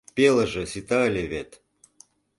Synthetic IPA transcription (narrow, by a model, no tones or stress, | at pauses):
pʲelˠə̆ʒɤ̆sit̪alʲeβet̪